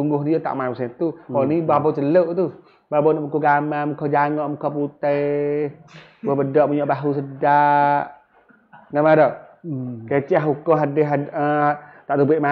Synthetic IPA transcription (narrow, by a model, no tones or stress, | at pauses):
suŋɡʊhnijət̪a̰ʔmajmusɛt̪uɔnibabɔt͡ʃələʔt̪u | babɔnɔʔmukuɡamamukʰɔd͡ʒaŋɔʔmukʰɔput̪əj | babədɔʔmuɲɔʔbaɦus̬ədaʔ | ŋamadɔ | kaat͡ʃɛʔaɦɦukʊmɦadɪɦaət̪aʔt̪ubɪʔma